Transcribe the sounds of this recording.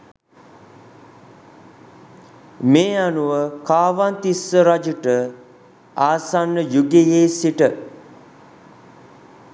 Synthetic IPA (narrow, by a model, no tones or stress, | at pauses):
meːanuʋəkaːʋant̪isːəɾad͡ʒuʈə | aːsanːəjuɡejeːsiʈə